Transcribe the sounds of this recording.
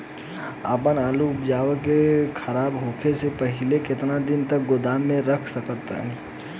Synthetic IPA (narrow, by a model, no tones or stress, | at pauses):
a̰ːpənaːluʊpd͡ʒaːʋəkekʰəɾaːbɦoːkʰesepəɦɪlekɪt̪nad̪ɪnt̪ək̚ɡʊd̪aːmːẽɾəkʰsəkət̪ːa̰ɦɛ